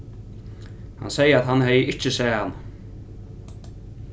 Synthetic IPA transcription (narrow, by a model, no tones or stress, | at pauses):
ha̰nsɛjəat̪hanhɛjəʔɪt͡ɕɪsɛːhanː